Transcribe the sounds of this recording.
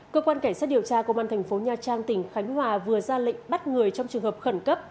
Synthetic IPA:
kəː˧kwaː˧nkaː˧˩ŋsaː˦˥t̚ɗi˨˩əwt͡ɕaː˧ko˧wvaː˧nt̪ʰɛ˨˩ŋ̟fo˨˦ɲaː˧˩t͡ɕaː˧ŋt̪ï˧˩ŋ̟xa˨˦jŋ̟ɦwaː˨˩vɨ˨˩əzaː˧lḭ̈˧˨ŋ̟ɓa˦˥t̚ŋɨ˨˩əjt͡ɕɔ˧wŋ͡mt͡ɕɨ˨˩əŋhəː˨˩p̚xə˧˩nkə˦˥p̚

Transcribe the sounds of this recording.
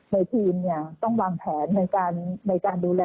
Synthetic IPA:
na˧jt̪ʰiː˧mni˥˩ɐt̪ɔ˥˩ŋwaː˧ŋpʰɛː˩˦nːa˧jkaː˧nːa˧jkaː˧nduː˧lɛː˧

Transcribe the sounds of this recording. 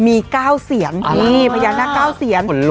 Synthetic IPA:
miː˧kaː˥˩wsi˩˦ən˩iː˥˩pʰa˧jaː˧naː˥˩kaː˥˩wsi˩˦n˩˦l

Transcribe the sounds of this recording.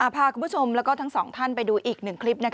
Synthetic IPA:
ʔaː˨˩pʰaː˧kʰu˧mbu˥˩o˧mlɛː˦˥wkɔː˥˩t̪ʰa˦˥ŋsɔː˩˦ŋt̪ʰa˥˩npa˧jduː˧ʔiː˨˩k̚nɯ˨˩ŋkʰli˦˥p̚na˦˥kʰ

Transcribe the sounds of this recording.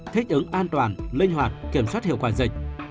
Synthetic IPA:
t̪ʰï˦˥k̟̚ʔɨ˨˦ŋʔaː˧nt̪waː˧˩nlï˧ŋ̟ɦwaː˨˩t̚ki˧˩əmswaː˦˥t̚hi˧˨wkwaː˧˩zə˨˩k̟̚

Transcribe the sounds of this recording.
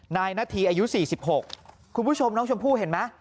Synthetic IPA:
naː˧jnaː˥˩t̪ʰiː˧ʔaː˧ju˦˥siː˨˩si˨˩p̚ho˨˩k̚ | kʰːu˧npʰu˦˥˩t͡ɕʰo˧mnɔː˦˥ŋt͡ɕʰu˧mpʰuː˥˩ɦe˨˩˦nma˦˥

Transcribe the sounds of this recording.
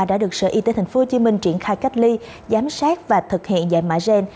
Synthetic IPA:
a˧˩ɗa̰ː˧˥ɗɨ˨˩ək̚sə̰˧ʔi˧t̪e˨˦t̪ʰjŋ̟fo˨˦ho˨˧t͡ɕi˨˦mï˧ŋ̟t͡ɕi˧˩ənxaː˧jka˦˥jk̟̚li˧ | zaː˨˦msaː˦˥t̚vaː˨˩t̪ʰɨ˨˩k̚hḭ˧˨ənza̰ː˧˨jma̰ː˧˥jzɛ˧n

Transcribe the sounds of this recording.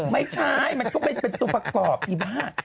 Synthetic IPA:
ma˥˩jt͡ɕʰa˥˩jma˧nkɔː˥˩ma˧jpe˧nt̪u˧pɾa˧kɔː˨˩p̚t̪ʰiː˧˩baː˥˩ŋ

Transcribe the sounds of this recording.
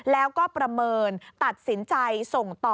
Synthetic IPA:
lɛː˦˥wkɔː˥˩pɾa˧mɤː˧nt̪a˨˩t̪̚si˩˦nt͡ɕa˧jso˨˩ŋt̪ɔː˨

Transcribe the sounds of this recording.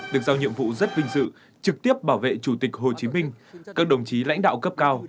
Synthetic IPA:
ɗɨ˨˩ək̚zaː˧wɲḭ˧˨əmvṵ˧˨zə˦˥t̚vï˧ŋ̟sɨ̰˧˨ | t͡ɕɨ˨˩k̚t̪i˦˥əp̚ɓaː˧˩wvḛ˧˨t͡ɕu˧˩t̪i˨˩k̟̚ho˨˩t͡ɕi˨˦mï˧ŋ̟kaː˦˥k̚ɗə˨˩wŋ͡mt͡ɕi˨˦la̰˧˥jŋ̟ɗa̰ː˧˨wkə˦˥p̚kaː˧w

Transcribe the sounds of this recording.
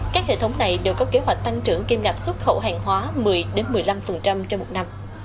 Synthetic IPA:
kaː˦˥k̚hḛ˧˨˩t̪ʰwŋ͡mna˨˩jɗe˨˩wkɔ˨˦ke˨˦ɦwa˨˩jk̟̚t̪a˧ŋt͡ɕɨ˧˩əŋki˧mɣa˨˩p̚swə˦˥t̚xə̰˧˩wɦaː˨˩ŋɦwaː˨˦mɨ˨˩əjɗe˨˦nmɨ˨˩əjla˧mfə˨˩nt͡ɕa˧mt͡ɕɛ˧mo˨˩t̚na˧m

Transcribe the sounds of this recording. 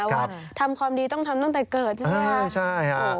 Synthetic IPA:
wwaː˥˩t̪ʰa˧mkʰwaː˧mdiː˧t̪ɔ˥˩ŋt̪ʰa˧mt̪a˥˩ŋt̪ɛː˨˩kɤː˨˩t̪̚t͡ɕʰːa˥˩t͡ɕʰa˥˩a˧˩

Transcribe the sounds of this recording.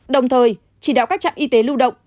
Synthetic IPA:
ɗə˨˩wŋ͡mt̪ʰəː˨˩j | t͡ɕi˧˩ɗaː˧˨˩wkaː˦˥k̚t͡ɕa̰˧˨mʔi˧t̪e˨˦lu˧wɗə̰˧˨wŋ͡m

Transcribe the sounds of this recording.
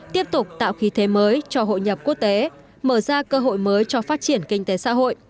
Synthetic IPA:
t̪i˦˥əp̚t̪ʊ˨˩k͡p̚t̪a̰ː˧˨wxi˨˦t̪ʰe˨˦məː˨˦jt͡ɕɔ˧ɦo̰˧˨jɲə˨˩p̚ku˦˥ək̚t̪e˨˦ | məː˧˩zaː˧kəː˧ɦo̰˧˨jməː˨˦jt͡ɕɔ˧faː˦˥t̚t͡ɕi˧˩ənkï˧ŋ̟t̪e˨˦sa̰ː˧˥ɦo̰˧˨jʔ

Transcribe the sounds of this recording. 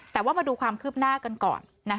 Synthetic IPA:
t̪ɛː˨˩waː˥˩maː˧duː˧kʰwaː˧mkʰɯː˥˩p̚naː˥˩ka˧nkɔ̰ː˨˩nːa˦˥kʰ

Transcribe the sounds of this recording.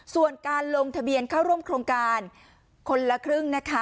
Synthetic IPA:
su˨˩ənkaː˧nloː˧ŋt̪ʰa˧bi˧ənkʰaː˥˩wɾu˥˩əmkʰɾoː˧ŋkaː˧n | kʰo˧nla˧kʰɾɯ˥˩ŋna˦˥kʰa˦˥

